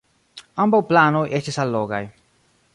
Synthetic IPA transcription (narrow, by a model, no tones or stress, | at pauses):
ambawplanojʔestisalːoɡa̰j